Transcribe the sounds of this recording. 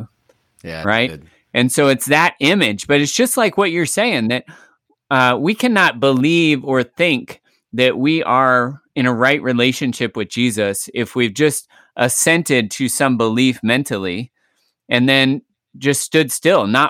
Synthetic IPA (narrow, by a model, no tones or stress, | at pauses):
ɹaɪ̥ | ʔɨ̃nsoʊɨtsðɨɾɪ̃mɪd͡ʒb̥ʌɾɨtsd̥ʒ̥ʌstˡlaɪkwʌt͡ʃə˞seɪɪ̃ŋðɨt̚ | ʌwikʰænət̚b̥əlivə˞θɪ̃ŋk | ðɨʔ̚wiʔə˞ɨ̃ñɨɹaɪʔɹileɪʃɨ̃nʃɪpwɨðd͡ʒizɨsɪfwivd͡ʒʌst̚ | ʔəsɛ̃ntɪd̚tʰɨsʌ̃mbəlifmɛ̃ntʰl̩ˠi | ɨ̃nðɨ̃n | d͡ʒʌststʊdstɪlˠnə